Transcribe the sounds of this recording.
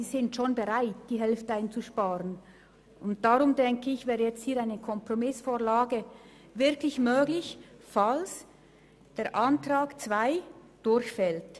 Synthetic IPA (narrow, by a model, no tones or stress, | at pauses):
iːzɪntʃonbəʁaɪt̚d̥iːɦɛlftəaɪnt͡suʃpaːʁən | ʊnt̚d̥aʁʊmdɛŋkəɪçvɛːɾəjɛt͡st̚hiːɾaɪnəkʰɔmpʁomɪsfoːʁlaːɡə | vɪɾkʰlɪçmøːɡlɪç | fals | d̥eːɾʔantʁ̥aːɡ̥t͡sv̥aɪ | d̥ʊɾçfɛlt